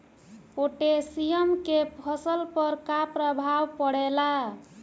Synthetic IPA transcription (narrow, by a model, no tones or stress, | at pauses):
oʈesijəmkepʰəsəlpəɾkapɾəbʱawpəɽɛla